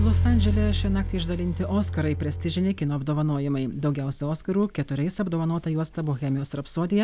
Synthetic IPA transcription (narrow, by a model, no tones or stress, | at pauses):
lˠʊsɑnʲd͡ʒʲɛlʲɛʃʲɛnɑːk̚t̪ʲɛɪɪʒd̪ɐlʲɪnʲt̪ʲɪʔoːskɐɾɐɪpʲɾʲɛsʲt̪ʲɪʒʲɪnʲɛɪkʲɪnoːɐbd̪oːʋɐnoːjɪmɐɪd̪ɒʊɡʲɛʊsʲɛoːskɐɾuːkʲɛt̪ʊɾʲɛɪsɐbd̪oːʋɐnoːt̪ɐjuɔst̪ɐboːxʲɛmʲɪjoːsɾɐpsoːd̪ʲɪjɛ